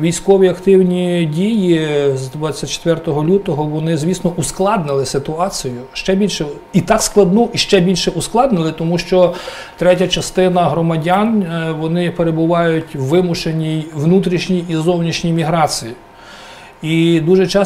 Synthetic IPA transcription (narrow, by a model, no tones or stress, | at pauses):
ʋʲijsʲkɔʋʲiɐkt̪ɪwnʲidʲijizd̪ʋat͡sʲːɐt̚ʲt͡ʃːe̥t̪ʋɛrt̪ɔɦɔlʲut̪ɔɦɔʋɔnɪzʲʋʲisnɔusklˠɑd̪nɪlˠɪsɪt̪ʊɑt͡sʲijʊʃt͡ʃɛbʲilʲʃɛ | it̪ɑksklˠɐd̪nɔʔiʃt͡ʃɛbʲilʲʃɛʔusklˠɑd̪nɪlˠɪt̪ɔmuʃt͡ʃɔ | t̪ɾɛtʲɐt͡ʃɐst̪ɪnɐɦɾɔmɐdʲanʋɔnɪpeɾebʊʋɑjʊtʲʋɪmʊʃenʲijʋnut̪ɾʲiʃnʲijizɔwnʲiʃnʲijmʲiɦɾɑt͡sʲiji | id̪uʒɛt͡ʃɑ